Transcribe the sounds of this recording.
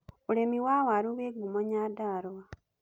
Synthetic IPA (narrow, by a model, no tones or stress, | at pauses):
ulemiwawaɾuβeɡumoɲadaɾoa